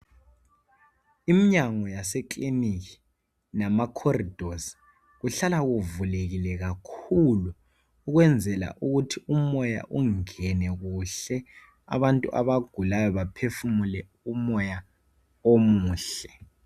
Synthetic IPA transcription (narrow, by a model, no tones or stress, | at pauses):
imiɲaŋɔjasɛklinikʰi̥ | namakʰɔrid̥ʱos | ɣuɬalaɣuvuleɣilɛɣakʰuluː | ɣwɛnd͡zʱɛla̰ʔuɣutʰiumɔja̰ʔuŋɛnɛɣuɬɛ | a̰βantʼṵʔa̰βaɡ̥ʱulajɔβapʰefumulɛ | umɔja | omuːɬɛ